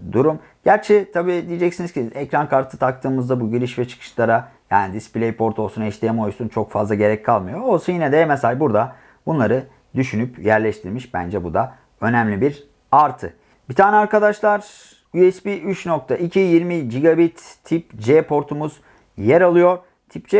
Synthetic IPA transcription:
d̪uɾum | ɟ̥æɾt͡ʃʰɛt̪ʰabiːd̪ijed͡ʒɛcsinizciɛcɾankʰaɾt̪ʰɯt̪ʰak̚t̪ʰɯːmɯzd̪abuɟiɾiʃvɛt͡ʃʰɯ̥kʰɯ̥ʃlˠaɾajaːnid̪isplʲejpʰo̞ɾt̪ʰo̞lˠsunɛʃlʲijemo̞jsunt͡ʃʰo̞kfazlˠaɟe̞ɾɛc̚kʰalˠmɯjo̞ːlˠsajinɛd̪ɛmɛsalʲbuɾd̪a | bunlˠaɾɯ | d̪yʃynypjæɾlʲɛʃt̪ʰiɾmiʃbæ̰nd͡ʒɛbud̪a | ø̞næmlʲibiɾ | aɾt̪ʰɯ̰ | b̥it̪ʰaːnɛaɾkad̪aʃlˠaɾ̥ | yɛspiʔyt͡ʃnok̚t̪ʰaʔicʰijiɾmid͡ʒiɡabit̪ʰːipd͡ʒɛpʰo̞ɾt̪ʰumuz | jeɾalˠɯjo̞ɾ | t̪ʰip̚d͡ʒɛ

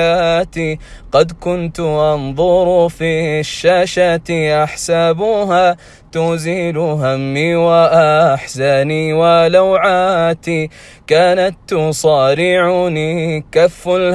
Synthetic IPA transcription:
at̪iqɑd̪kʊnt̪ʊʔɑnðˤʊɾʊfiːhʃːaːʃat̪ʔaħsabuːɦaː | t̪ʊziːlʊɦamːiːwaʔaħsaniːwalawʕaːt̪i | kaːnat̪ːʊsˤɑːɾɪʕuniːkafːal

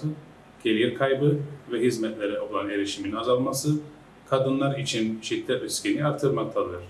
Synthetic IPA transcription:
ɯ | ɟ̥elʲijiɾkʰajbɯvɛɦizmɛt̪lʲe̞ɾɛo̞lˠane̞ɾiʃiminazalˠmasɯ | kʰad̪ɯnlˠaɾit͡ʃʰinʃit̪ʰʲːɛøscʲiniaɾt̪ʰːɯɾmak̚t̪ʰalˠɯɾ̥

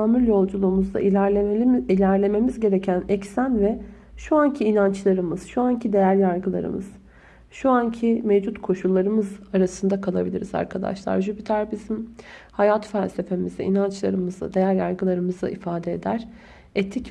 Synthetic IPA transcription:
aːmyɾʲjo̞lˠd͡ʒulˠuːmuzd̪ˠa̰ | ilʲæɾlʲe̞me̞mizɟe̞ɾecʰænɛcsænvɛ | ʃuancʰiːnant͡ʃlˠaɾɯmɯz̥ʃuancʰid̪e̞jæɾjaɾɡɯlˠa̰ɾɯ̰mɯ̰z̥ | ʃuancʰimevd͡ʒut̪kʰo̞ʃulˠːaɾɯmɯzaɾasɯnd̪akʰalˠabilʲiɾiza̰ɾkʰad̪a̰ʃlˠa̰ɾʒybit̪ʰæɾbizimhajat̪fælʲse̞fe̞mizd̪ɛ̰ʔḭnant͡ʃlˠa̰ɾɯmɯza̰d̪e̞jæɾja̰ɾɡɯlˠaɾɯmɯza̰ʔifaːd̪eed̪æɾ̥ | et̪ʰic

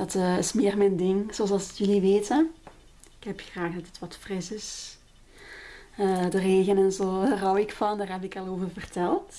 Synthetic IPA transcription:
d̥ɑtəːɪsmɪːrmɛndɪŋzoɑlzɑlˠsjɵliʋeːtən | ɪkɦɛpxraːxdɑtətʋɑtfrɪsɪs | ədəreːɣənɛnzoːrɔwɪkfɑndaːrɦɛpɪkɑlˠoːvərvərtɛlˠt

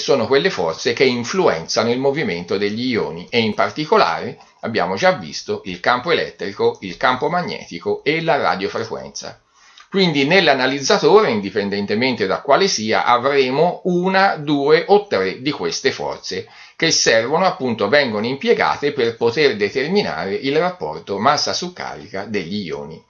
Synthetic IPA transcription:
sːoːnokwelːefɔrt̪sek̟eiɱfluɛ̰nt̪sanoilmoviment̪od̪eʎːijo̰ːniʔeimpart̪ikola̰ːɾe | abːja̰ːmod͡ʒavːḭst̪oilkampoelɛ̰t̪ːɾikoilkampomaɲːɛ̰ːt̪ikoelara̰d̪jofɾekwɛ̰nt̪sa̰ | kwind̪inelːanalid̪zːat̪oːɾeind̪ipend̪ɛnt̪ement̪ed̪akwaːlesiːa̰ʔavɾeːmouːnad̪uːeʔot̪ːɾed̪ikwest̪efɔ̰rt̪se | k̟esːɛrvonoapːunt̪ovɛŋɡonoimpjɛɡa̰ːt̪eperpot̪erd̪et̪ermina̰ːɾeʔilrapːɔ̰rt̪omasːasukːa̰ːɾḭkad̪eʎːijo̰ːni

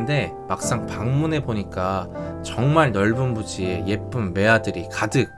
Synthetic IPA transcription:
nde̞ | mak̚s͈aŋpaŋmune̞boɲik͈at͡ɕʌŋmaɭnʌɭbunbud͡ʑie̞je̞p͈ɯnme̞adɯɾikadɯk̚

